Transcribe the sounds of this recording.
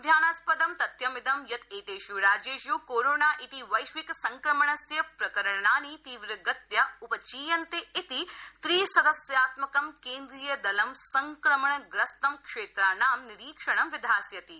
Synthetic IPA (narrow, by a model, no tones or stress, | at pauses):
d̪ʱjaːnaspɐd̪ɐmt̪ɐt̪jɐmɪd̪ʱɐmjɐt̪eːt̪eːʃjuɾaːd͡ʒeːʃjuːkoːɾoːnaːʔit̪iʋɐjʃʋiksɐŋkɾɐmɐɳɐsjɐpɾɐkɐɾɐɳɳaːnit̪iːʋɾɐɡɐt̪jɐupɐt͡ʃiːjɐnt̪eit̪it̪ɾiːsɐd̪ɐsjaːt̪mɐkɐmkeːnd̪ɾijɐd̪ɐlɐmsɐŋkɾɐmɐɳɐɡɾɐst̪ɐmkʂeːt̪ɾaːnaːmniɾiːkʂɐɳ̃ɐmʋɪd̪ʱaːsjɐt̪i